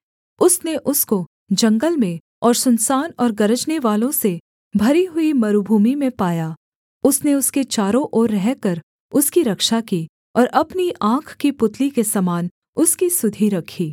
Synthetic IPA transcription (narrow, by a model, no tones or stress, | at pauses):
ʊsneʔʊsko | d͡ʒɐ̃ŋɡəlmẽ | ɔːɾsʊnsaːnɔːɾɡɐɾəd͡ʒneʋaːlõse | bʱɐɾiɦʊimɐɾubʱuːmimẽpaːjaː | ʊsneʊsket͡ʃaːɾõʔoːɾːɛɦkɐɾ | ʊskiɾɐkʃakiː | ɔːɾɐpniʔãːkʰkipʊt̪likesɐmaːn | ʊskisʊd̪ʱiɾɐkʰiː